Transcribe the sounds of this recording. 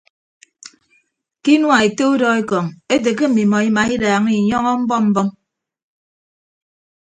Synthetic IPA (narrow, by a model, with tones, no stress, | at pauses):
ki˦nwa˨e˨te˦u˦dɔ˦e˦kɔ˨ŋe˦t̬e˨k̬e˦m̩˨mi˨mɔ˨i˦ma˨i˦daː˨ŋi˦˨ɲɔ˦ŋɔ˦m̩˦bɔ˦m̩˦bɔ˦m